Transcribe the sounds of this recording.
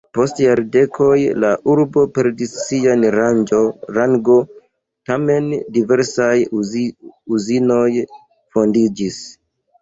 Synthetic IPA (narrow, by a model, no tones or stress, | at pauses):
po̞stjaɾde̞kʰo̞jlaʔuɾbo̞pe̞ɾdisːianɾand͡ʒoɾaŋɡo̞ | tame̞ndive̞ɾsaj | uzino̞j | fo̞ndid͡ʒis